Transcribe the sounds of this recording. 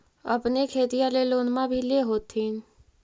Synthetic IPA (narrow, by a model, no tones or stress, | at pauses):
ɐpnekʰeːt̪ijãleloːnmãbʱileɦoːt̪ʰːĩ